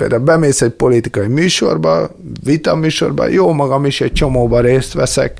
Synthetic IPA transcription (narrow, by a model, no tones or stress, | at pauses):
peːld̪aulbɛmeːsɛc̚po̞lit̪ikɒjimyːʃo̞̰rbɒ | ʋit̪ɒmyːʃo̞̰rbɒ̰joːmɒɡɒmiʃɛc̚t͡ʃo̞moːbɒɾeːst̪ʋɛsɛ̰k